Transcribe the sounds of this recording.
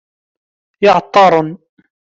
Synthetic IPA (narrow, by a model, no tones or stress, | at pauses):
jɑʕt̪ˤːɑːɾˤn